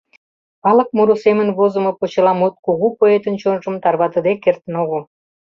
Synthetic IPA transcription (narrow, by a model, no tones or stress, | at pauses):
ɑlɤ̆k̚muɾusemənβozə̆mɤ̆pot͡ɕɤ̆lɑmut̪̚kuɣupoet̪ənt͡ɕonʒə̆mt̪ɑrβɑt̪ə̆d̪ekːert̪ənoɣo